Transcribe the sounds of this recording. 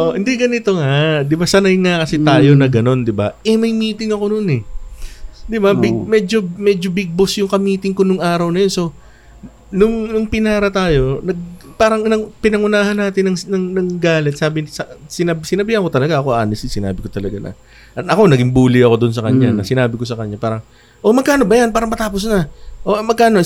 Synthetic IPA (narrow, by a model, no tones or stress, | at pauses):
oʔoʔɪnd̪ɛɡɐnɪt̪o̞ŋad̪ɪbasɐnɐjŋakɐsɛt̪aːjo̞nɐɡɐno̞nd̪ɪba̰ʔɛmɐjmiːt̪ɪŋɐko̞nonɛ | d̪ɪbabɪmɛːd͡ʒo̞mɛd͡ʒo̞bɪɡ̚bosjʊŋkɐmiːt̪ɪŋko̞nʊŋʔaːɾɐwnɐjo̞nso̞ | nʊŋnʊŋpɪnaːɾɐt̪aːjo̞nɐɡ̚paːɾɐŋnɐpɪnɐŋʊnaːhɐnːaːt̪ɪnːɐŋnɐŋnɐŋɡaːlɛt̪̚saːbɪsɐsɪnɐbsɪnɐbɪhɐko̞t̪ɐlɐɡaʔɐko̞ʔa̰ːnɪsɪsɪna̰ːbɪko̞t̪ɐlɐɡa̰nɐ̰ | ʔɐʔɐko̞nɐɡɪmbuːlɪɐko̞d̪ʊns̬ɐkɐɲːanɐsɪnaːbɪko̞sɐkɐɲːapaːɾɐŋ | ʔo̞mɐɡkaːno̞bɐjanpaːɾɐŋmɐt̪aːposnɐʔomɐɡ̚kaːno